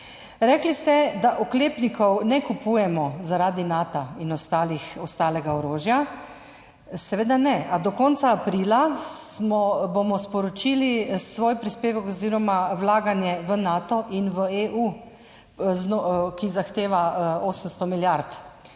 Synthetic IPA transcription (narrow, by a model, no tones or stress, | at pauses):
ɾɛklist̪ɛd̪aʔɔkleːpnikʰɔwnɛkupujɛmɔzaɾaːd̪inaːt̪ainɔst̪aːlixɔst̪aːlɛɡaɔɾoːʒja | sɛʋeːd̪anɛad̪ɔkɔnt̪saːpɾiːlasmɔbomɔspɔɾɔt͡ʃiːlisʋoːjpɾispeːʋəkɔziɾɔmawlaːɡanjɛʋənaːt̪ɔʔinʋəeʔu | znokizaxt̪eːʋaoːsəmst̪ɔmiljaɾt̪